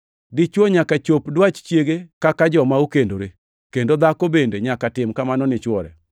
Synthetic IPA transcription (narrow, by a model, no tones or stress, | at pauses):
dɪt͡ʃwoɲakat͡ʃopdwat͡ʃt͡ʃjeɡekakad͡ʒɔmaukendoɾe | kendod̪akobendeɲakatɪmkamanɔnɪt͡ʃwɔɾɛ̰